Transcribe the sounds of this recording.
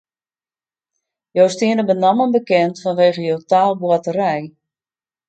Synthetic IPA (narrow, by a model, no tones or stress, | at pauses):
jowstɪənəbənamənbəkɛntfɔnʋeːɣəjowtaːlˠbwatəɾɛj